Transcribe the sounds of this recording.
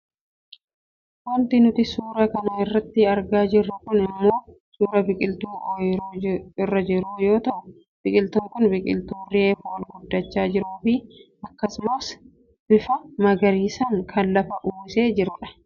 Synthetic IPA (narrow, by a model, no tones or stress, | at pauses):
wɐnt̪ɪnʊt̪ɪsuːɾɐkɐnɐɪrːɐt̪ːɪɐɾɡaːd͡ʒɪrːʊkʊnɪmːo̞ː | suːɾɐbɪkʼɪlt̪uːʔɔjɾɪrːɐd͡ʒɪɾuːjo̞ːt̪ɐʔʊ | b̥ɪkʼɪlt̪ʊŋkʊnbɪkʼɪ̰lt̪uːrɪeːfʊɔlɡʊd̪ːɐt͡ʃːaːd͡ʒɪɾuːfɪʔɐkːɐsloːs | bɪfɐmɐɡɐɾiːsɐŋkʰɐnlɐfɐʔuːse̞ːd͡ʒɪɾʊᶑɐ̥